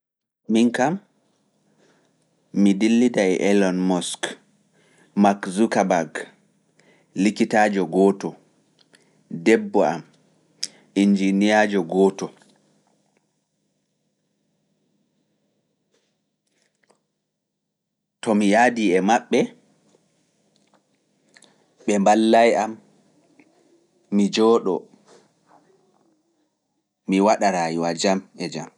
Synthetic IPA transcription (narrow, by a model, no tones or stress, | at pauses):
miŋkam | idilːidaɛʔɛlɔnmɔsk | makzukabaɡ | likitaːd͡ʒɔɡɔːtɔ | dɛbːɔam | ind͡ʒinijad͡ʒɔɡɔːtɔ | tɔmijadiɛmaɓːɛ | ɓɛmbalːajam | id͡ʒɔːɗɔ̰ | miwaɗaɾajiwad͡ʒamɛd͡ʒa̰m